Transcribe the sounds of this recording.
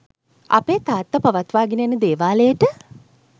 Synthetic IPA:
a̰peːt̪aːt̪ʋəpaʋat̪ʋaːɡinəjanəd̪eːʋaːləjəʈə

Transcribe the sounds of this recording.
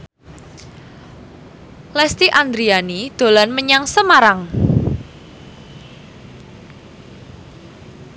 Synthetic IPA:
lɛst̪iʔand̪ɾianid̪̥o̤lanməɲaŋsəmaɾaŋ

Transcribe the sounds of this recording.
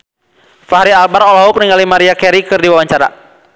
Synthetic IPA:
faɦɾialbaɾɔlɔɦʊk̚niŋalimaɾiakɛɾikɨrdiwawaɲt͡ʃaɾa̰

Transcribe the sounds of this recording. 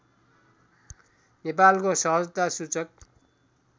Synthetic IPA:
nepalkosʌɦʌd͡zt̪asut͡sʌk̚

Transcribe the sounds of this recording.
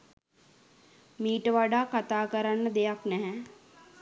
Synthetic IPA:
miːʈʋaːɖaːkɐt̪aːkəɾənd̪eːaknɛɦɛ̃

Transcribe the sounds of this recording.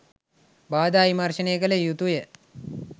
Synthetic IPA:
baːd̪aːimarʃəneːɡələjut̪ujə

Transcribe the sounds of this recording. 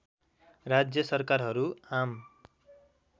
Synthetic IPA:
rad͡zjʌsʌrkarɦʌɾuam

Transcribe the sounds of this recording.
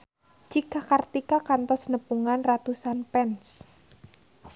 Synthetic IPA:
d͡ʒikakart̪ikakant̪ɔsnəpuŋanrat̪usanpɛns

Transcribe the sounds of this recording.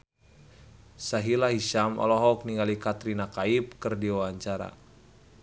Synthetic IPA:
saɦilaɦiʃamɔ̰lɔɦɔk̚niŋɡalikat̪ɾinakaip̚kɨrdiwawaɲt͡ʃaɾa̰

